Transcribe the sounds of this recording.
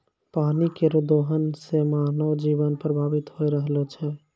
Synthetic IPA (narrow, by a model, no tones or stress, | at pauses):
panikeɾud̪oɦənsemanəwd͡ʒibənpɾəbʱabit̪ɦojɾəɦlɛt͡ʃʰɛ